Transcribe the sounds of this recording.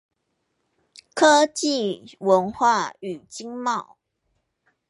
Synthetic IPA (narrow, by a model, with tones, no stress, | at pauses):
kʰɤ˦t͡ɕi˥˨wə˨˦˥nxwa˥˨y˨˩t͡ɕi˦ŋmɑ˥˨ʊ